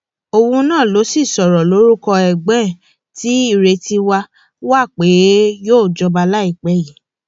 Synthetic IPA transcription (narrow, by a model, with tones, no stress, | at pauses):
o˧wũ˧nãː˦˨lo˨˦si˦˨sɔ˨ɾɔ˨lo˨˦ɾu˦kɔ˧ɛ˨ɡ͡bɛ̃˨˦˨ | ti˨˦i˦˨ɾe˧ti˧wa˧˦ | wa˦˨k͡pe˨˦joː˦˨d͡ʒɔ˧ba˧la˦i˦˨k͡pɛ˨˦ji˨